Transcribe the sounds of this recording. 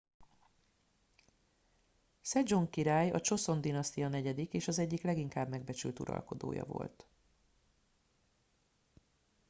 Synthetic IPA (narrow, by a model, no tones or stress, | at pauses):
sɛd͡ʒoŋkiɾaːjɒ̰t͡ʃo̞so̞nd̪inɒst̪ijɒnɛɟɛd̪ikeːʃɒzɛɟːiklɛɡiŋkaːbmɛɡ̚bɛt͡ʃy̰lt̪ṵɾɒ̰lko̞d̪o̰ːjɒ̰vo̞̰lt̪